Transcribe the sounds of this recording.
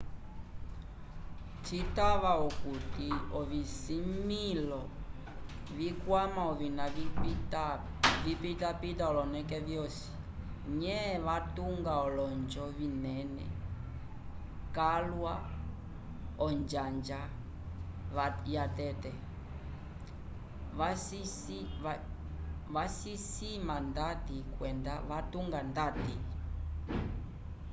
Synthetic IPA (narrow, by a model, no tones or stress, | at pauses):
t͡ʃitaβaɔkutiɔβisimilɔ | βikwamaɔβinaβit | vipitapitaɔlɔnɛkɛvjɔsi̥ | ɲɛβatuŋɡaɔlɔnd͡ʒɔβinɛnɛ̰ | kalwa | ɔnd͡ʒand͡ʒa | jatɛtɛ | βasisimandatikwɛndaβatuŋɡandati